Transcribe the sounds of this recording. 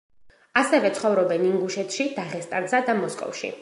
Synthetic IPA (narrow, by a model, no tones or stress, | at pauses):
asɛvɛt̪sʰχɔvɾɔbɛniŋɡuʃɛt̪ʰʃid̪̥aʁɛst̪ʼaɾsad̪amɔskʼɔ̰fʃḭ